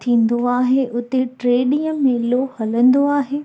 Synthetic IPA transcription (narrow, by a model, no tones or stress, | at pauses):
t̪ʰĩːn̆d̪oaːɦeʔʊt̪eʈɾeːɗĩjə̃mẽloːhɐlə̃nd̪oaːɦeː